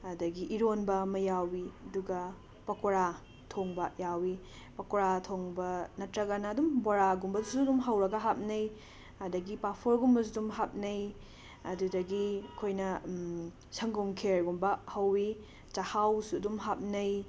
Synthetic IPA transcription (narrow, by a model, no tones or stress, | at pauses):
ɐdɐɡiʔiɾonbɐmɐjawiɐduɡɐ | pɐkoɾa | tʰoŋbɐjawi | pɐkoɾatʰoŋbɐnɐtɾɐɡɐnɐːdumboɾaɡumbɐzusudumɦɐwɾɐɡɐɦap̚nɐj | ɐdɐɡipapʰoɾɡumbɐsudumɦap̚nɐj | ɐdudɐɡikʰojnɐ | sɐŋɡumkʰeɾɡumbɐhɐwi | t͡ʃɐhawsudumɦap̚nɐj